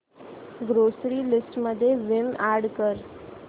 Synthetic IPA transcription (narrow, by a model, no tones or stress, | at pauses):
ɡɾosɾiːlɪsʈməd̪ʱːjezɪmaɾɖkəɾ